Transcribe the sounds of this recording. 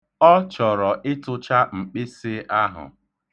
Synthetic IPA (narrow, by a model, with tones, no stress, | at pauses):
ɔ˦t͡ʃɔ˨ɾɔ˨ʔɪ˦tʊ˦t͡ʃa˦ŋ͡m̩˨k͡pɪ˦sɪ˦a˦ɦʊ̰˨